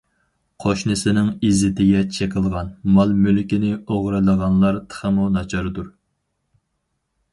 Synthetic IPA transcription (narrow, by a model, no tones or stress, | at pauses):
qʰoʃnɨsɪnɪŋizɪt̪ʰɪɡʲɛt͡ʃʰekʲʰəlˠʁɑnmɑlˠmølkʲinɪoʁɾɨlˠəʁɑnlˠɑɾt̪ʰə̥χəmunɑt͡ʃʰɑɾɨd̪uɾ